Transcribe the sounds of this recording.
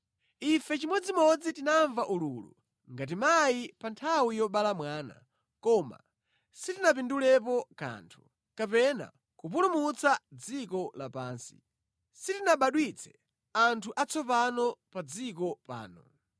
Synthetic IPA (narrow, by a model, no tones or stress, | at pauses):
ifɛt͡ʃimwɛd͡zimɔd͡zitinaɱvaʔuluːlṵ | ŋɡat̬imajipantʰawijɔɓalamwaːna̰ | kɔma̰ | sitinap̬indulɛp̬ɔka̰ːntʰu̥ | kapɛna̰ | kup̬ulumut͡sad͡zikɔlapaːnsi̥ | sitinaɓaɗwit͡sʰɛ̥ | antʰuʔat͡sɔpanɔpad͡zikɔpa̰ːnɔ̰